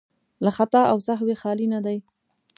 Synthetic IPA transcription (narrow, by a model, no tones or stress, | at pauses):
laxat̪aʔawsaɦwexɑlinad̪aj